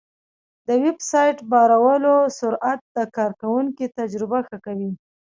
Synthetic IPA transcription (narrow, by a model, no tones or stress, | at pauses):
d̪əwɪbsɑjʈbɑɾawəlosʊɾʔat̪̚d̪əkɑɾkawuŋkit̪ad͡ʒɾɪbaxəkawi